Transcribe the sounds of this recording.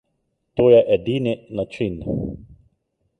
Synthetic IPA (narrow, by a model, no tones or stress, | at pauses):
t̪oːjɛʔɛd̪iːninat͡ʃin